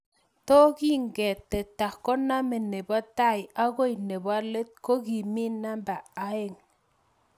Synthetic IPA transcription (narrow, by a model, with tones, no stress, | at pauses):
to˦ki˦ŋɡɛ˨tɛ˨ta˨kːɔ˦na˦me˨ne˨bɔ˦ta˦˨ja˦ɣo˦jne˨ba˦le˦t̚ko˦ɡi˨mi˦na˦mba˨a˦e˦ŋ